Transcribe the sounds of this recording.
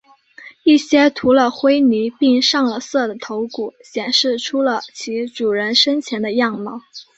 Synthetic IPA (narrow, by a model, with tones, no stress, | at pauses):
i˥˩ɕjɛ˥t̪ʰu˧˥lə˧xwe˥ɪni˧˥pi˥˧ŋʂɑ˥˩ŋlə˩sɤ˥˩d̪ə˩t̪ʰo˧˥ʊku˨˩˦ɕjɛ˨˩nʂɻ̩˥˩ʈ͡ʂʰu˥lə˨t͡ɕʰi˧˥ʈ͡ʂu˨˩ɻə˧˥nʂə˥nt͡ɕʰjɛ˧˥nd̪ə˧jɑ˥˩ŋmɑ˨˧˥